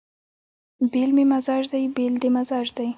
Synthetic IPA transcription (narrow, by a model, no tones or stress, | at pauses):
belmemazɑʒd̪ajbeld̪emazɑʒd̪aj